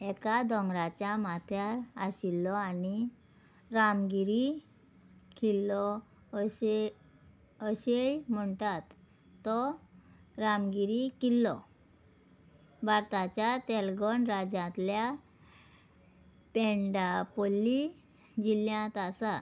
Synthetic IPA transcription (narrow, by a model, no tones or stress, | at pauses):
ɛkad̪ɔ̃ŋɡɾat͡ɕjamat̪ʰjaɾaɕilːɔani | ɾamɡiɾi | kilːɔ | ɕe | əɕejm̤əɳt̪at̪ː | ɔ | ɾamɡiɾikilːɔ | baɾt̪at͡ɕjat̪ɛlɡɔɳɾad͡ʑãt̪lja | peɳɖapɔli | d͡ʑiljãt̪asa